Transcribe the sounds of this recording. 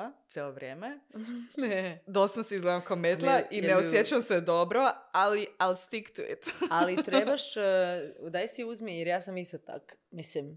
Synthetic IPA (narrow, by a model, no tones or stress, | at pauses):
t̪jeloʋɾʲjeːmened̪osnosizɡled̪amkomet̪llaineosjet͡ʃamsed̪obɾoalialst̪ikt̪uḭt̪alit̪ɾebaʃ | d̪ajsiuzmijeɾjaːsamist̪ot̪a̰kmislim